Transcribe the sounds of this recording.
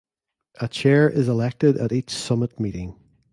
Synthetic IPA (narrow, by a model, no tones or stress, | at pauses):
ʔət͡ʃʰɛɹʔɪzɪlɛk̚tɪdə̰ɾit͡ʃsʌmɪt̚miʔɪ̃ŋ